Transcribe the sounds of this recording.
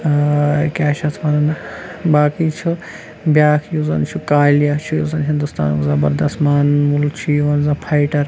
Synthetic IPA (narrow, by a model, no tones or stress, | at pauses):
kɛːʃɐt̪ʰʋɐɾɐnbaːkit͡ʃʰu | bjaːkʰjuzɐnt͡ʃʰukaːljat͡ʃʰujuːzɐnɦind̪ust̪a̰ːnkzɐbɐɾd̪ɐsmaːnmult͡ʃʰiʋɐnzãpʰajʈɐɾ